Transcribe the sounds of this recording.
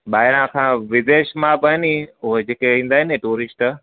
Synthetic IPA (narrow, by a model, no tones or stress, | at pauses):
ɓaːɪɾãkʰãʋɪd̪eːʃmãbəɦɪniʊɦed͡ʑeːkeĩːn̆d̪aːɦɪnɦẽʈuːɾɪsʈ